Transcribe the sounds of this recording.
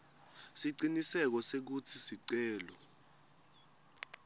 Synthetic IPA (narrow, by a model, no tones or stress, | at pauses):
siǀinisɛk̬ɔsek̬utʰisiǀɛːlɔ